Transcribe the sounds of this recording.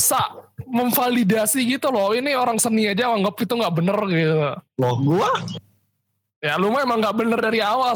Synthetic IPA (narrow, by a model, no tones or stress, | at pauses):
saʔməɱfalidasiɡit̪ulɔhinioɾaŋsəniad͡ʒawaŋɡəp̚it̪uŋɡaʔbənərɡit̪ulɔhɡua | jalumaemaŋɡaʔbənərdaɾiawa